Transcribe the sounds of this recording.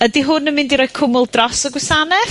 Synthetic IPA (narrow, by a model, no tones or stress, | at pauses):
ədiɦʊnːəmɪ̃ndiɾɔːɨ̥kʰʊmʊlˠdrɔsəɡwɛsanɛ